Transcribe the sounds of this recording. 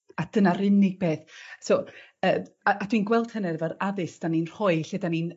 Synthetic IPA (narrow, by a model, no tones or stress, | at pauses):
ad̥ənaɾɪnɪɡ̥̚beːθso | əːm | aʔad̥winɡwɛlˠd̥hənɛvəɾaðɨsd̥aninr̥ɔɨɬedanin